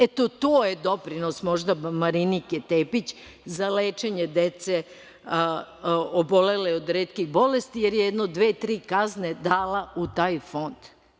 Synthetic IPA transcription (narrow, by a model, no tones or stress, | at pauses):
et̪ot̪oːjed̪o̞pɾino̞smo̞ʒd̪abmaɾiniket̪eːpit͡ɕ | zaleːt͡ʃeɲed̪et̪se | obo̞leleod̪ɾeːt̪kiɣbo̞lest̪ijeɾjejed̪nod̪ʋeːt̪ɾiːkazned̪aːlaut̪aːjfo̞nd̪̥